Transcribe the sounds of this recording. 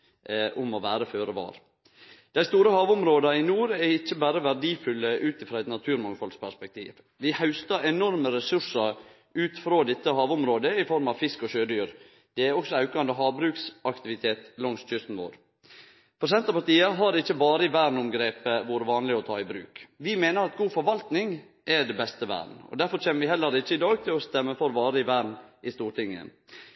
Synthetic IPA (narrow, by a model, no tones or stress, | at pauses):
ʔʊmɔʋæːɾəføːɾəʋɑ̰ːɾ | d̪̥æɪst̪uːɾəhɑːʋʊmɾoːd̪ɑɪnuːɾɛɪçːəbæːɾəʋæɖiːfʉlːəʔʉːt̪ɪfɾɑːæɪt̪nɑt̪ʰʉːɾmɑŋfɔlspʰæɾspɛk̚t̪ʰḭːʋ | ʋɪhaʉst̪ɑɛnɔɾməɾɛsʉʂəɾ | ʉːt̪fɾoːd̪ɪt̪ːəhɑːʋʊmɾoːd̪əɪfɔɾmɑʋfɪskɔɕøːd̪yːɾ | d̪̥ɛæɾɔksɔɑʉkɑɑnd̪əɦɑːbɾʉːksɑkt̪ɪʋɪt̪ʰeːt̪lɔŋsc͡çʏsn̩ʋo̰ːɾ | pʰɾʊsɛnt̪ɑpɑʈ̪iːəɦɑɾɪçːəbɑːɾəɪʋæːɾnʊmɡɾeːpəʋuːɾəʋɑːnlɪɔt̪ʰɑːɪbɾʉ̰ːkʋɪmeːnəɾɑt̪̚ɡuːfɔɾʋɑlt̪nɪŋ | ʔɛɖɛbɛst̪əʋæ̰ːɖɳ̩ɔ̰d̪æɾfɔɾçɛːnəɾʋɪhɛlːəɾɪçːəɪd̪ɑːɡ̚t̪ʰɪlɔst̪ɛmːəfɔɾʋɑːɾəɪʋæːɳʔɪst̪uːʈʰɪŋːə̰